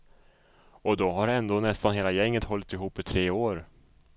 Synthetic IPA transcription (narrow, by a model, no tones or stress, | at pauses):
ɔd̪ɔɦaɾɛnd̪oːnɛst̪anɦeːlajɛŋːət̪ɦɔlːɪt̪ɪɦuːpːɪt̪ʰɾeːoːɾ